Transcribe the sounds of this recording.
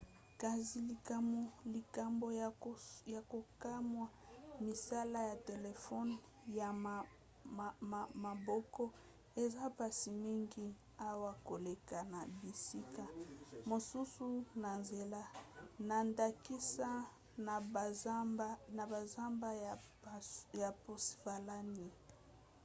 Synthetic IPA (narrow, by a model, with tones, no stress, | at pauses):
ka˨zi˨li˨˦li˨ka˨mbo˨ | ja˨ko˨ka˦mwa˨mi˨sa˦la˦ja˨te˨le˨fɔ˦n | ja˨ | ma˨bɔ˦kɔ˦ | e˨za˦pa˦si˨mi˦ŋɡi˦ | a˦wa˦ko˨le˨ka˨na˨bi˨si˦ka˨mo˨su˦su˦na˨nze˨la˦na˨nda˨ki˦sa˦˨˦ | na˨ba˨za˦mba˦ | ja˨po˦sva˨la˦ni˨